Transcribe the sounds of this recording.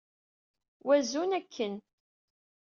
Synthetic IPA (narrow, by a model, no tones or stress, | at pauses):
wæzunækʰːən